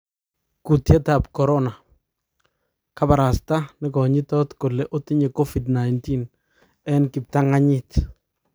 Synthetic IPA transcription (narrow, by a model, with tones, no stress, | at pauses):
ku˨tjɛ˦ta˨p̚kɔ˨ɾɔ˦na˨ | ka˦pa˨ɾa˨sta˦nɪ˦kɔ˨ɲɪ˦tɔ˦tko˨lɛ˦ʔo˦ti˦ɲe˨ko˦fidna˨jnti˦n | ɛ˦nkɪ˨p̚ta˦ŋa˦ɲɪt